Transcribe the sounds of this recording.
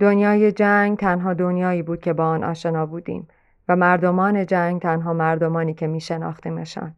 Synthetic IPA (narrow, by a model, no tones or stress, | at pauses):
d̪onjɒːje̞d͡ʒæŋɡt̪ʰænɦɒːd̪o̞njɒːiːbuːd̪̥̚kcʰe̞bɒːɒːnʔɒ̰ːʃe̞nɒːbuːd̪ḭːm | væmæɾd̪o̞mɒːne̞d͡ʒæŋɡt̪ʰænɦɒːmæɾd̪o̞mɒːniːcʰe̞miːʃe̞nɒ̰ːxt̪ʰiːmeʃɒ̰ːn